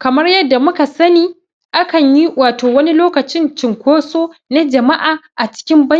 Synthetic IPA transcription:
kɐ˨mɐ˦rjɐ˦dːa˨mʊ˦ka˨sɐ˦niː˦ | ʔa˦kɐ˨ɲji˦waː˨toː˨wɐ˦ni˦loː˦kɐ˨t͡ʃɪ˦nt͡ʃɪ˨ŋkʷoː˦soː˦na˦d͡ʒɐ˨ma˦ʔaː˨ʔa˨t͡ʃɪ̥˦kʲɪ˦mbɐ˦˨

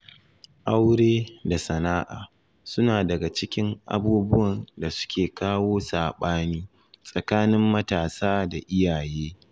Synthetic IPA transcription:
ʔa˦wɽeː˦da˨sɐ˨naː˦ʔa̰ː˨ | sʊ˦naː˨dɐ˨ɡa˨t͡ʃɪ˦kʲɪ˦ŋʔa̰˨buː˦bʊ˦wɐ˨nda˨sʊ̥˦kʲeː˨kaː˦woː˦saː˨ɓaː˦niː˦ | sʼɐ˨kaː˦nɪ˦mːɐ˦taː˨saː˦da˨ʔɪ˦jaː˨jeː˦

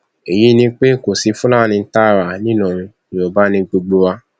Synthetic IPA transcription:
e˨ji˨˦nĩ˧˦k͡pe˦ko˨si˨˧˦fũ˦la˦˨nĩ˧n̩˦ta˦˨ɾa˨nĩ˦nɔ̃˨ũ˧ | ĩ˨o˨ba˦nĩ˧ɡ͡bo˧ɡ͡bo˧wa˧˦

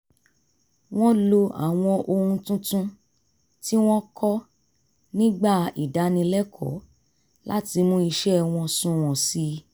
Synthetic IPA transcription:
w̃ɔ̃˦lo˧a̰˨w̃ɔ̃˧ʔo˧hũ˧tũ˦tũ˦ | ti˦w̃ɔ̃˦kʰɔ˦ | nĩ˦ɡ͡ba˦˨i˨da˨˦nĩ˧lɛ˦kʰɔ̰˨˦ | la̰˦ti˧mũ˦i˧ʃɛ˦w̃ɔ̃˧sũ˨˧w̃ɔ̃˨si˧˦

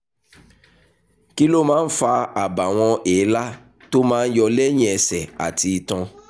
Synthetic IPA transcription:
ki˦lo˦mãː˦n̩˦fa˧a˨ba˨w̃ɔ̃˧ʔe˨˦la˦ | to˦mãː˦n̩˦jɔ˧lɛ˦ɲ̃ĩ˦˨ɛ˨sɛ˨a̰˨tʰi˧i˧tɔ̃˧

